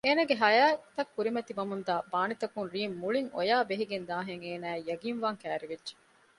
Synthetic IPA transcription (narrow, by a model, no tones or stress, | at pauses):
eːnɐɡeɦɐjaːt̪ɐkːuɾimɐt̪iʋɐmund̪aːbaːnit̪ɐkunɾiːmːuɭiŋo̰jaːbeɦiɡend̪aːɦeŋeːnæːejɐɡiːnʋaːŋkæːɾeʋedʒe̥